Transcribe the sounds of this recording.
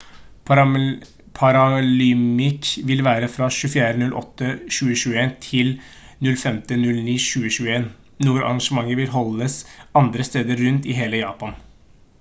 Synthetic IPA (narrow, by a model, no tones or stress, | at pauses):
pʰɑɾɑlʏmɪkʋɪlʋæːɾəfɾɑʃʉːfɪjæːɾənʉlʔɔ̰t̪ːəʃʉːəʃʉːəeːnt̪ʰɪl | nʉlfɛmt̪ənʉlniːʃʉːəʃʉːəeːn | nuːɾɑ̰ɾɑŋʂəmɑŋːəʋɪlɦɔlːəsɑnd̪ɾəst̪eːd̪əɾːʉnt̪ɪɦeːləjɑ̰ːpɑn